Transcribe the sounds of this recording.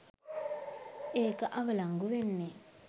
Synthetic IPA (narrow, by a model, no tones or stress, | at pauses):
ekaʔaβalaŋɡuβenːe